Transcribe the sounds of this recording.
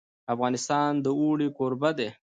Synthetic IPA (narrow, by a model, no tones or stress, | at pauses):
afɣɑnɪst̪ɑnd̪əuɽikoɾbad̪e